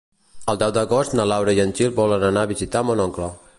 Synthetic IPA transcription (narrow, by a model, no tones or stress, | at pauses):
əlˠd̪ɛwd̪əɣɔst̪nəlawɾəiənʲt͡ʃilbɔlənənaβizit̪amonɔŋklɔ